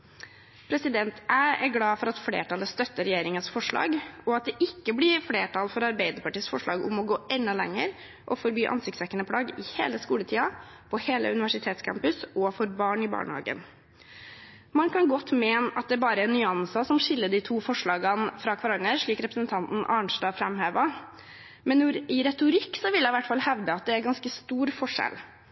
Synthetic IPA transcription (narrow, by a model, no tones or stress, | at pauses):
pʰɾɛsɪd̪ɛnt̪æːæɾɡlɑːfɔɾɑt̪flḛːʈʰɑləst̪œt̪ːəɾɛjeːɾɪŋənsfɔʂɭɑ̰ːɡɔɑt̪̚d̪ɛʔɪkːəblɪɾfleːʈʰɑlfɔɾɑɾbeɪd̪əɾpɑʈiːsfɔʂɭɑ̰ːɡʊ̰mɔɡoːʔɛnːɑlɛ̰ŋːəɾ | ʔɔfɔɾbyːʔɑ̰nsɪkt̪sʋɛkːənəpʰɽɑːɡɪhḛːləskuːlət̪ʰiːɑ | pʰɔheːlə̰ʉnɪʋæʂɪt̪ʰeːt̪skʰæ̰mpʉsɔfɔɾbɑːɳɪbɑ̰ːɳəhɑ̰ːɡə̰n | mɑnkʰɑnɡɔt̪ːmeːnʔɑt̪̚d̪ɛæːɾbɑːɾəɛnːʏɑnsɑsɔmʂɪlːəɖ̪ɪt̪ʰuːfɔʂɭɑːɡɑnfɾɑkʰʋɑɾɑnəɾʂɭiːkɾɛpɾəsənt̪ʰɑnt̪n̩ʔɑɳʂʈɑːfɾɛmheːʋɑ | mɛnːʊɾɪɾɛt̪ʊɾɪkːsɔʋɪljæɪʋæʈːfɑlhɛʋd̪əɑt̪̚d̪ɛæɾɡɑnskəst̪uːɾfɔʂɛ̰l